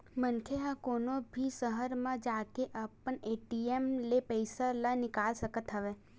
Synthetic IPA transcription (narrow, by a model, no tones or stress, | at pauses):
mənkʰeɦãkoːnobʱisəɦəɾmãd͡ʒaːkeʔapəɳeːʈiemlepəɪsalanɪkaːlsəkət̪ɦəʋe